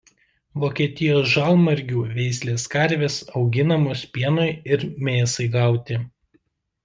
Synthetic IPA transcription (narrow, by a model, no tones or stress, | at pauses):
ʋoːkʲiɛt̪ʲɪjoːsʒɑlˠmɐɾʲɡʲuːʋʲɛɪsʲlʲeːskɐɾʲʋʲeːsɒʊɡʲɪnɐmospʲiɛnɔɪɪɾmʲeːsɐɪɡɑˑʊt̪ʲɪ